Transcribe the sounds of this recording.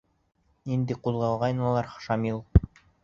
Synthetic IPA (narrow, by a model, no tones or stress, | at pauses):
nind̪ɘqulˠʁɑlˠʁɑjnɑlˠɑɾχʃɑmilˠ